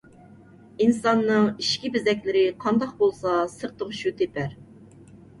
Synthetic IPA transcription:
insɑnːɨŋiʃkʲibɪzɛkʲlɪɾɪqʰɑnd̪ɑq̚bolˠsɑsəɾt̪ʰəʁʃut̪ʰepʰæɾ

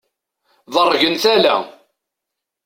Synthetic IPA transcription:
ðərˤːʝənθælæ̰

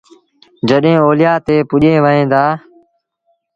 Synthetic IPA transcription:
d͡ʒəɗɦẽːoːlɪjaːt̪eːpʊʄẽːʋəẽːd̪aː

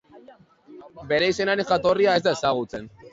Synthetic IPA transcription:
be̞ɾe̞ise̞naɾe̞ŋxat̪o̞riae̞zd̪ae̞saɣut͡se̞n

